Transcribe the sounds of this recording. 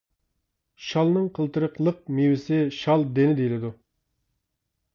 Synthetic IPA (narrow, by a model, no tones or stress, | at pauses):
ʃɑlˠnɨŋqʰəlˠt̪əɾəqlˠəq̚miwɪsɪʃɑlˠd̪enɪd̪ejlɪd̪u